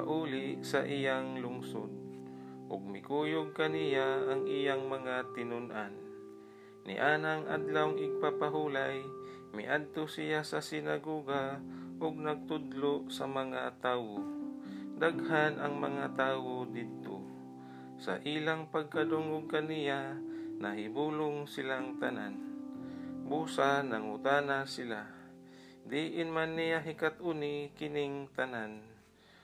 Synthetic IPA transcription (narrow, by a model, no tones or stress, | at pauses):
paʔuːlɪʔsɐʔijaŋlʊŋsod̪̚ʔʊɡ̚mɪkuːjʊɡ̚kɐnɪjaʔːŋʔijaŋmɐŋat̪ɪnʊnʔan | nɪ̰ʔaːnaŋʔa̰d̪lawŋʔɪɡ̚papaɦulaj | mɪ̰ʔad̪̚t̪osɪjasɐsɪnaɡoːɡaʔʊɡ̚nɐɡ̚t̪ʊd̪losɐmɐŋat̪aːwo | d̪aɡhanʔɐŋmɐŋat̪aːwod̪ɪd̪̚t̪o̰ | sa̰ʔilaŋpɐɡ̚kad̪ʊŋʊɡ̚kanɪjanaɦɪbuːlʊŋsɪlaŋt̪ana̰n | busanaŋʊt̪aːnasɪla | d̪iʔɪnmanːijaɦikat̪̚ʔunikɪnɪŋt̪anan